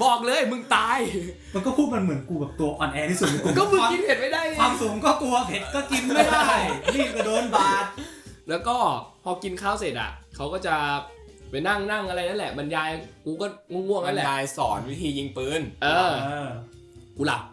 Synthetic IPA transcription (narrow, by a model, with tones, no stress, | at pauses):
bɔː˨˩k̚lɤː˧jmɯ˧ŋt̪aː˧j | ma˧nkɔː˥˩pʰuː˥˩t̪̚ma˧nmɯ˩˦ənkuː˧bɛː˨˩p̚t̪u˧ɐʔɔː˧nʔɛː˧t̪ʰiː˦˥˩su˨˩t̪̚ma˧˦kːkɔː˥˩˧mɯ˧ki˧nhe˨˩t̪̚ma˥˩jda˥˩jwaː˧msu˨˩˦ŋkɔː˥˩t̪u˧ɐ˧he˨˩t̪kɔː˥˩ki˧nma˥˩da˥˩jjlʰiː˥˩p̚ka˧doː˧nbaː˧˨˩lɛː˦˥wkɔː˥˩pʰɔː˧ki˧nkʰaː˥˩wse˨˩t̪̚ʔa̰˨˩kʰa˦˥wkɔː˥˩t͡ɕa˨˩ | pa˧jna˥˩ŋna˥˩ŋʔa˧ɾa˧jna˦˥nlɛ˨˩ba˧njaː˧jkuː˧kɔː˥˩ŋu˥˩ŋːu˥˩ŋna˥˧˩lɛː˨˩˧jsɔ̰ː˩˦nwi˦˥t̪ʰiː˧ji˧ŋpɯː˧nʔɤː˧ | kuː˧la̰˨˩p̚